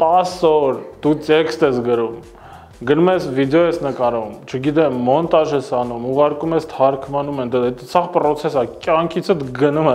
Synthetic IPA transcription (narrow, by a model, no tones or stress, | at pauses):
t̪ɑsɔɾd̪̥ut͡sɛkst̪ɛsɡəɾum | ɡənumɛsvid̪ɛɔjɛsnəkɑɾumt͡ʃʰəɡid̪ɛmːɔnt̪ɑʒɛsɑnumuʁɑɾkumɛst̪ʰhɑɾkʰmənumɛnd̪ɛt̪t͡sʰɑʁpɾɔt͡sʰɛsɑkjɑŋkʰit͡sʰət̪ɡənumɛ